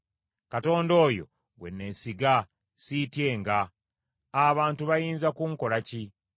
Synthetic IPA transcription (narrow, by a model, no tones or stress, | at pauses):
kato̞ːndo̞ːjo̞̰ | we̞̰nːe̞siɡa | sitje̞ːŋɡaː | βaːntuβajiːnzakuŋko̞laci